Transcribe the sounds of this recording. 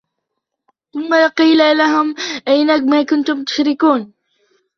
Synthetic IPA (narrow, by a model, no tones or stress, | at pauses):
θʊmːaqiːlalaɦʊmʔajnamaːkʊnt̪ʊmt̪ʊ̥ʃɾɪkuːn